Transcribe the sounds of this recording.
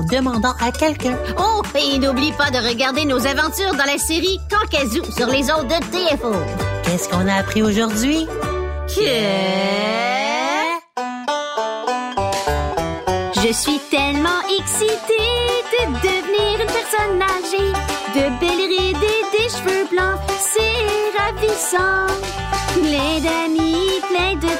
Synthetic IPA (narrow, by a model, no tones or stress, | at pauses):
d̪əmɑ̃d̪ɑ̃ʔakʲɛlkʲœ̃oinublipad̪əʁəɡaʁd̪enozavɑ̃t̪yːʁd̪ɑ̃laseʁikɑ̃kazusyʁlezot̪̚dət̪eɛfɔnkʲɛskɔ̃naːpχioʒuʁd̪ɥi | kʲʰɛ | ʒəsɥit̪ɛlmɑ̃ʔɛksit̪ed̪əd̪əvniːʁynpɛʁsɔnːaʒed̪əbɛlʁid̪ed̪eʃvøblɑ̃sɛʁavisɑ̃ | plɛ̃d̪amiplɛ̃d̪ə